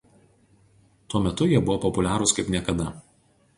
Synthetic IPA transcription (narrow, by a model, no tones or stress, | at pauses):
t̪uɔmʲɛt̪ʊjiɛbʊʋɔːpɔpʊlʲæːɾʊskɐɪpnʲiɛkɐd̪ɐ